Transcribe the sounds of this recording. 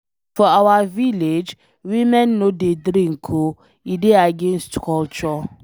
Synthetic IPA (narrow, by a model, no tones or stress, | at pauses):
fɔawaviled͡ʒ | wimɛnːodedɾĩŋ̩kʰo | ideaɡenstkʰɔlt͡ʃɔ